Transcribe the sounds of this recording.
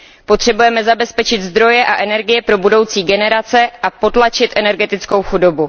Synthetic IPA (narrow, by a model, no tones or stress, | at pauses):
po̞t̪r̝̥ɛbujɛmɛzabɛspɛt͡ʃɪt̪zd̪ɾo̞jɛʔaʔɛnɛɾɡɪjɛpɾo̞budo̞wt͡siːɡɛnɛɾat͡sɛʔapo̞t̪lat͡ʃɪt̪ʔɛnɛɾɡɛt̪ɪt͡sko̞wxudo̞bu